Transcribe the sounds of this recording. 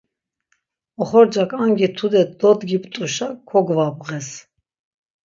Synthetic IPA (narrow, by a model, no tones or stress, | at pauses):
ɔχɔɾd͡ʒakʰʼaŋɡit̪ʰud̪ɛt̪̚d̪ɔd̪ɡipʼt̪ʼuʃakʰɔɡvabʁɛs